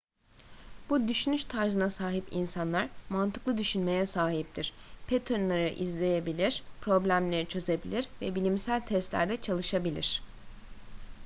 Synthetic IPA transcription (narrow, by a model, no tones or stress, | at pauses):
b̥ud̪yʃynyʃt̪ʰaɾzɯnasaːɦipḭnsanlˠaɾ̥mant̪ʰɯ̥klˠɯd̪yʃynme̞jɛsaːɦip̚t̪ʰiɾ̥pʰet̪ʰɯɾnˠaɾɯʔizlʲe̞jebilʲiɾ̥pʰɾo̞blʲæmlʲe̞ɾit͡ʃʰø̞ze̞bilʲiɾvɛbilʲimsælʲt̪ʰɛst̪lʲæ̰ɾd̪ɛt͡ʃʰalˠɯʃabilʲḭɾ̝̥